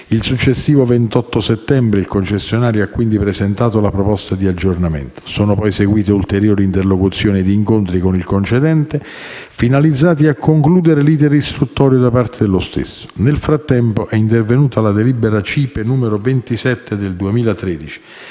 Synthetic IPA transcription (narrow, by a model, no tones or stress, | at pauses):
ilsut͡ʃːesːiːvovent̪ɔt̪ːosɛt̪ːɛmbɾeilkont͡ʃesːjonaːɾjoakːwind̪ipɾezent̪aːt̪olapɾopɔst̪ad̪iad͡ʒːornamḛnt̪o̥soːnopɔjseɡwiːt̪eult̪eɾjoːɾiːnt̪erlokut̪sːjoːnid̪iːŋkont̪ɾikonilkont͡ʃed̪ɛnt̪e | finalid̪zːaːt̪̬iakʰːoŋkluːd̪eɾeliːt̪ɛɾist̪ɾut̪ːɔːɾjod̪apart̪ed̪elost̪ḛsːo̥nelfɾat̪ːɛmpoʔɛint̪ervenuːt̪alad̪elibeɾat͡ʃiːpenuːmeɾovent̪isɛt̪ːed̪eld̪uemiːlat̪ɾɛːd̪it͡ʃi̥